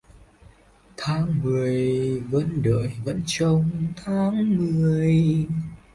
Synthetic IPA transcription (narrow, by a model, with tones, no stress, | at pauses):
t̪ʰaː˨˦ŋmɨ˨˩əjvə̰˧˥nɗə̰ː˧˨jvə̰˧˥nt͡ɕə˧wŋ͡mt̪ʰaː˨˦ŋmɨ˨˩əj